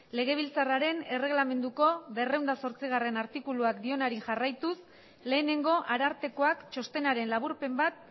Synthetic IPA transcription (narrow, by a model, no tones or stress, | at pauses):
le̞ɣ̞e̞β̞ilt͡saraɾe̞ne̞re̞ɣlame̞nd̪uko̞βe̞rewnd̪aso̞ɾt͡siɣ̞are̞naɾt̪ikuluakd̪io̞naɾiʝarajt̪us | le̞ːne̞ŋɡo̞ʔaɾaɾt̪e̞ko̞akt͡ʃo̞st̪e̞naɾe̞nlaβuɾpe̞mbat̪̚